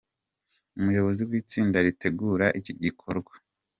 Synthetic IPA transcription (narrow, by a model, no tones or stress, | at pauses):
umujo̞βo̞ziwiːt͡siːndaɾite̞ɡuɾaʔiciɟikʰo̞ɾɡwḁ